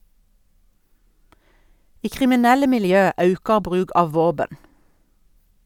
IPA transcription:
ˈiː kʁɪmɪˈnɛlə mɪlˈjøː ˈɑʉkɑ ˈbʁʉːɡ ˈɑːʋ ˈʋoːbən

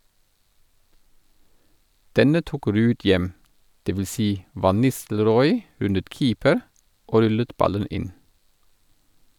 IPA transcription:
ˈdɛnə ˈtuːk ˈɾʉːd ˈjɛm dɛʋɪˈsiː ˈʋɑn ˈnɪstl̩ˌɾɔʏ ˈʉnət ˈkiːpəɾ ˈoː ˈɾʉlət ˈbɑlən ˈɪn

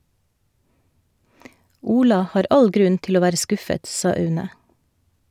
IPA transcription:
ˈuːlɑ ˈhɑːɾ ˈɑl ˈɡɾʉn ˈtɪl ˈoː ˈʋæːɾə ˈskʊfət ˈsɑː ˈœʉnə

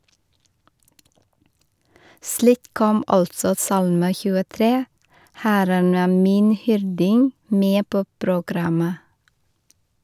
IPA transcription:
ˈsliːk ˈkɔm ˈɑltsɔ ˈsɑlmə çʉːəˈtɾeː ˈhæɾən ˈæː ˈmiːn ˈhʏɾdɪŋ ˈmeː ˈpoː pɾʊˈɡɾɑmə

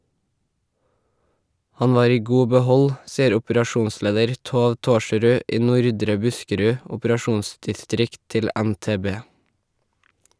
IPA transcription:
ˈhɑɲ ˈʋɑːɾ ˈiː ˈɡuː bəˈhɔl ˈsiːəɾ ˌʊpɾɑˈʃuːnˌsleːdəɾ ˈtoːʋ ˈtoːʃɹʉːʔʔ ˈiː ˈnʊɾdɾə ˈbʉskəɾʉ ˌʊpəɾɑˈʃuːnsdɪˌstɾɪkt ˈtɪl ə ænteːˈbeː

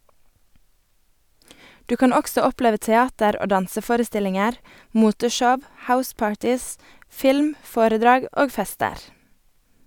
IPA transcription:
ˈdʉː ˈkɑn ˈɔksɔ ˈɔpleːʋə tɛˈɑːtəɾ ˈoː ˈdɑnsəˌfoːɾəˌstɪlɪŋəɾ ˈmuːtəˌʃɔʋ ˈhaʊˌspɑːɹtɪs ˈfɪlm ˈfoːɾəˌdɾɑːɡ ˈoːɡ ˈfɛstəɾ

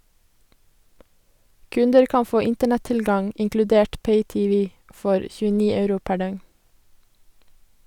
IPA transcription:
ˈkʉndəɾ ˈkɑn ˈfoː ˈɪntəɳɛˌtɪlɡɑŋ ɪŋklʉˈdeːʈ ˈpeɪˌtiːˌʋiː ˈfɔɾ ˌçʉːəˈniː ˈœʉɾʊ ˈpæ ˈɖœŋn

